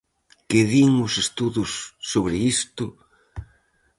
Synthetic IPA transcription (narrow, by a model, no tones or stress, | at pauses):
kɪðiŋʊsest̪uðʊsːoβɾɪist̪ʊ